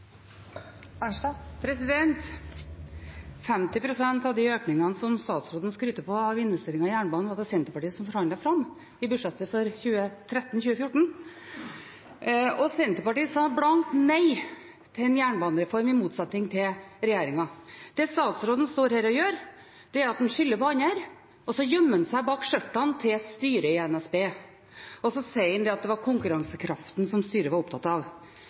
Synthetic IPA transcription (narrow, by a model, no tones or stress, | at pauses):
pʰɾɛsɪd̪ɛnt̪ | fɛmt̪ɪpʰɾʊsɛnt̪ɑʋd̪ɪøːknɪŋɑnəsɔmst̪ɑːt̪sɾoːd̪ənəskɾyːt̪ːəpʰɔɑʋɪnʋɛst̪eːɾɪŋɑjæːɳbɑːnʋɑd̪ɑsɛnt̪əɾpɑʈiːəsɔmfɔɾhɑnd̪ɑfɾɑmː | ɪbʉʂɛt̪ːəfɔɾçʉːət̪ʰɾɛt̪ːn̩çʉːəfjʊʈːɳ̩ | ɔsɛnt̪əpɑʈiːəsɑːblɑŋt̪næɪ | t̪ʰɪlɛnjæːɳbɑːnəɾɛfɔɾmɪmuːt̪sɛt̪ːɪŋt̪ʰɪlɾɛjeːɾɪŋɑd̪̥ɛst̪ɑːt̪sɾoːd̪ən̩st̪oːɾhæːɾɔjøːɾ | d̪̥ɛæɾɑt̪̚d̪ɛnʂʏlːəpɔɑnəɾ | ɔsɔjœmːənsæɪbɑːkʂœʈːɑnt̪ʰɪlst̪yːɾəɪɛnɛsbeː | ɔsɔsæɪɪnd̪ɛɑt̪̚d̪ɛʋɑɾkʰʊŋkʉɾɑŋsəkʰɾɑft̪nsɔmst̪yːɾəʋɑɾʊpt̪ʰɑt̪ːɑʋ